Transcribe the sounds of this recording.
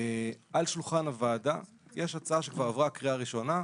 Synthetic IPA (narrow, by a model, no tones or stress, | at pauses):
ʔalʃulχanavaːda̰ | jʔeʃat͡saaʃekvaʁavʁakʁiaːʁiʃo̞na